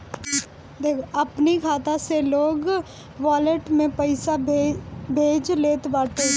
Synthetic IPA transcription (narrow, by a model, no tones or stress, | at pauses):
d̪eːkʰoɐpnikʰaːt̪aseloːɡ | ʋaːləʈmẽpəɪsa | bʱeːd͡ʒleːt̪ʋaːʈ̪e